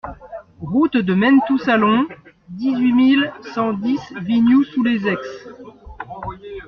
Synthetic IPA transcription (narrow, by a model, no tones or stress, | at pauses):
ʁut̪d̪əmɛnt̪usalɔ̃ | d̪izɥimilsɑ̃d̪isvinjusulezɛks